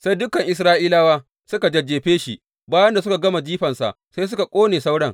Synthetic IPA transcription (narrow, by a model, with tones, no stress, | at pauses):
sa˦jdʊ˦kːɐ˨ŋʔɪ˨s̬ɾaː˦ʔiː˦laː˦waː˦ | sʊ˦ka˨d͡ʒɐ˨d͡ʒeː˨ɸeː˦ʃi˦ | baː˦jɐ˦nda˨s̬ʊ˦ka˨ɡɐ˦ma˨d͡ʒiː˦ɸɐ˨nsa̰˨ʔ | sa˦js̬ʊ˦ka˨kʷʼoː˦neː˨sa˦wɽɐ˦ŋ